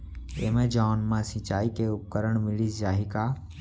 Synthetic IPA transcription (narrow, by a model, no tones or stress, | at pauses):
eːmẽːd͡ʒaːnmãːsĩt͡ʃaːikeːʊkəɾəɳ̃mɪɭiːsd͡ʒaːɦiːkaː